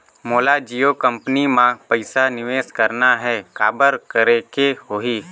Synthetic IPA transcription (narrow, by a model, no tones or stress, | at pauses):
moːlad͡ʒiːokə̃mpənimãpəɪsanɪʋeːskəɾnaɦɛkaːbəɾkəɾekehoːɦiː